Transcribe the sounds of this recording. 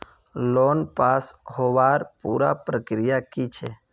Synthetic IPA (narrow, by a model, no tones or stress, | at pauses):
loːnpaːshoʋaːɾpṵːɾa̰pɾəkɾijakit͡ʃʰḛ